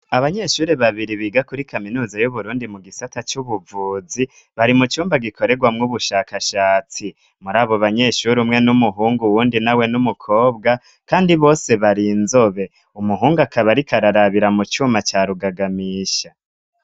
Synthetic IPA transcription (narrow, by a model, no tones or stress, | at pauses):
aβaɲe̞ʃuːɾeβaβiɾiβiːɡakuɾikaminuːzajuβuɾuːndimuɡisatat͡ʃuβuvuːd͡zi | βaɾimut͡ʃuːmbaɡikʰo̞ɾe̞ɡwamŋuβuʃaːkaʃaːt͡si | muɾaːβo̞βaɲe̞ʃuɾiumŋe̞numuɦuːŋɡuwuːndinawe̞numukʰo̞ːb̚ɡa | kaːndiβo̞ːse̞βaɾinzo̞βe̞ | umuɦuːŋɡuakaβaɾikaɾaɾaβiɾamut͡ʃuːmat͡ʃaːɾuɡaɡamiːʃa